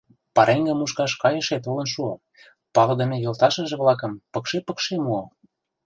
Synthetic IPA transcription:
pɑɾeŋɡə̆muʃkɑʃkɑjə̆ʃet̪ulə̆nʃuɤ | pɑlɤ̆d̪ə̆mʲĕjolˠt̪ɑʃə̆ʒĕβlɑk̬ə̆mpɤ̆kʃepə̆kʃemuo

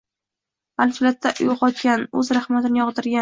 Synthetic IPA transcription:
alfɪlat̪ːaʔʊjqɒt̪̚kʲanɵzɾahmat̪ɪnɪjɒʁd̪ɪɾɡʲa

